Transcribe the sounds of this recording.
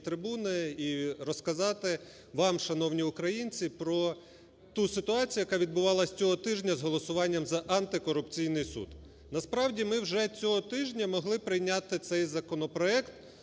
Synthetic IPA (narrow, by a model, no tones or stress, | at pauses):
t̪ɾɪbunɪiɾɔskɐzɑt̪ɪ | ʋɑmʃɐnɔwnʲiʊkɾɐjinʲt͡sʲipɾɔ | t̪usɪt̪ʊɑt͡sʲijʊjɐkɑʋʲid̪̚bʊʋɑlˠɐsʲt͡sʲɔɦɔt̪ɪʒnʲɐzɦɔlˠɔsʊʋɑnʲːɐmzɐʔɐnt̪ɪkɔɾʊpt͡sʲijnɪjsṵd̪̥ | nɐspɾɑwdʲimɪwʒɛt͡sʲɔɦɔt̪ɪʒnʲɐmɔɦlˠɪpɾɪjnʲat̪ɪt̪sɛjzɐkɔnɔpɾɔɛkt̪